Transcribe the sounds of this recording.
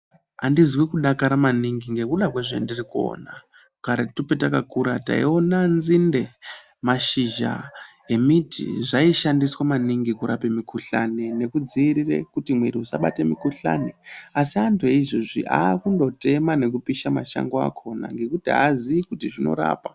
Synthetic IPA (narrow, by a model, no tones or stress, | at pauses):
andizwikuɗakaɾamaniŋɡiŋɡe̞kuɗakweʐendirikuo̰na | kaɾatupetakakuɾata̰io̞nanzinde̞ | maʃiʒa̰ | e̞mitʰḭʐaiʃandiswamaniŋɡikuɾʔa̰pemikuɬanene̞kud͡ziːɾirḛkutimweɾiusaɓa̰temikuɬa̰neasiantʰueiʐoʐḭʔaːkundo̞te̞mane̞k̬upiʃamaʃa̰ŋɡoa̰kʰo̞na̰ŋɡe̞kutiaziikutiʐino̞̰ɾa̰ːpa